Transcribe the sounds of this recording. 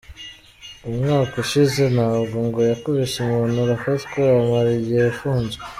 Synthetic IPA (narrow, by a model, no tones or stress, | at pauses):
umŋaːkuʃize̞naβuŋɡojakoβeʃemunuɾafazkeamaɾiɟihejafuːnzwe